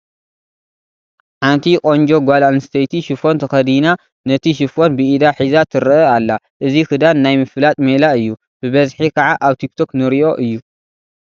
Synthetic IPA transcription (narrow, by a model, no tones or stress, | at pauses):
ħant̪ʰikʼo̞nd͡ʒo̞ɡʷalanst̪ʰɐjt̪ʰiʃɨfo̞nt̪ʰɐxɐd̪ina | nɐt̪ʰiʃ̬ɨfo̞nbɨid̪aħizat̪ʰɨɾɐalːa | ʔɨzikɨd̪anːajmɨfɨlat̪ʼmelaɨjːu | b̥ɨβɐzħikʰɐʕaʔaβt̪ʰik̚t̪ʰo̞knɨɾiʔo̞ʔɨjːu